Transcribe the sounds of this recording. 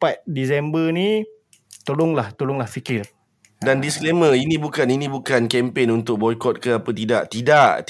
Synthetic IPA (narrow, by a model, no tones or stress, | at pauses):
pat̪̚disɛmbəni | t̪olʊŋlaht̪olʊŋlahfikɪr | dandiskleməinĩbukaninĩbukankɛmpenunt̪ʊk̚bɔjkɔt̪̚kəapət̪idaʔt̪idaʔt̪